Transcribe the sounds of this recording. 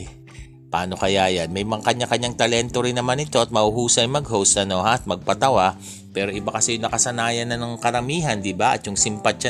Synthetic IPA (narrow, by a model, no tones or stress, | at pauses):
paːno̞kɐjajɐnmɐjmɐŋkɐɲːakɐɲːaŋt̪ɐlɛnt̪o̞ɾɪnːɐmanɪt̪o̞ʔɐt̪̚mɐhuhuːsɐjmɐɡɦowsɐno̞hat̪̚mɐɡ̚pɐt̪ɐwa | pɛːɾo̞ʔɪbakɐsɛjʊŋnɐkɐsɐnaːjɐnːɐnɐŋkɐɾɐmiːɦɐnd̪ɪbaʔɐ̰t̪jʊŋsɪmpɐt̪̚t͡ʃa